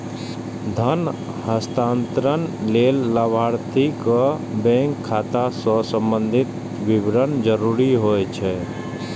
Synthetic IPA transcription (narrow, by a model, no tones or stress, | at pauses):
d̪ʱən | həst̪aːnt̪ɾənleːlːəbʱaːɾt̪ʰikəbɛ̃ːŋkʰːaːt̪asəsə̃mbənd̪ʱɪt̪ | ʋɪbɾənd͡ʒəɾuːɾiɦoːet͡ʃʰɛː